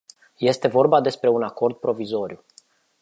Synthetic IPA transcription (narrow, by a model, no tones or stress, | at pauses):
je̞st̪e̞vo̞rbad̪e̞spɾe̞unako̞rd̪̚pɾo̞vizo̞ɾiu